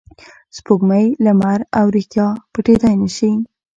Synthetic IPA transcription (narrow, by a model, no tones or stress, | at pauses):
spoɡməjlamaɾawɾixt̪jɑpəʈet̪ɑjnəʃi